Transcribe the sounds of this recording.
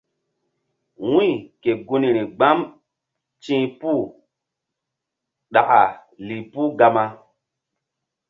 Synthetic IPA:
wũ˦˨ke˨ɡu˦ni˨ɾi˨ɡ͡ba˦m | t͡ʃĩ˦pu˦˨ | ɗa˨ʔa˨ | li˨pu˦ɡa˦ma˦

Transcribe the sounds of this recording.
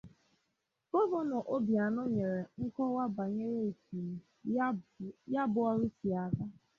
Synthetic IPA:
kɔ˦vo˦nɔ˨ʔo˦bja˨no˦ɲe˨ɾe˨ŋ̩˦kɔ˦wa˦ba˨ɲe˦ɾe˦˨ti˨ | ja˦bʊ˨ɔ˦ɾi˦si˨a˨ɡa˦

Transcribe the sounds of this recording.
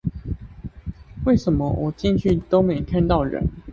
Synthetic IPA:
we˥˩ɪʂə˨˦nmə˦wɔ˨˩t͡ɕi˥˧nt͡ɕʰy˥˨t̪o˥˦ʊme˨˥ɪkʰa˥˧nt̪ɑ˥˨ʊɻə̰˨˦n

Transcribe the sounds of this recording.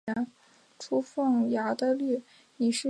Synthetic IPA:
ɛ˧˥n | ʈ͡ʂʰu˥fɤ˥˩ŋja˧˥d̪ə˧ly˥˩ | ni˨˩ʂɻ̩˥

